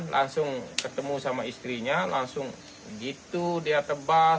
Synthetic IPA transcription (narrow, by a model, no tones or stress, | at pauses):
lʔa̰ŋsʊŋkət̪əmusamaist̪ɾiɲalaŋsʊŋ | əɡit̪udiat̪əba